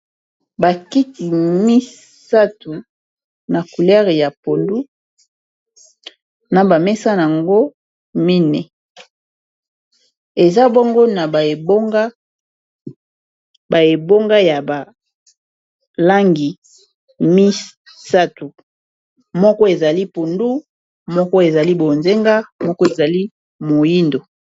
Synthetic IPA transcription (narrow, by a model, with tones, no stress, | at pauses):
ba˨ki˦ti˨mi˦ | sa˦tu˨ | na˨ku˨lɛ˦ʁi˨ja˨po˨ndu˦ | na˨ba˨mɛ˦sa˦n˨a˨ŋɡo˦ | mi˦nɛ˨ | e˨za˦bo˦ŋɡo˦na˨a˨e˨bo˦ŋɡa˦ | ba˨e˨bo˦ŋɡa˦ja˨ba˨ | la˦ŋɡi˨ | mi˦ | sa˦tu˨ | mɔ˦kɔ˦e˨za˨li˦pu˨ndu˦ | mɔ˦kɔ˦e˨za˨li˦bo˨nze˦ŋɡa˦mɔ˦kɔ˦e˨za˨li˦ | mo˨ji˦ndo˨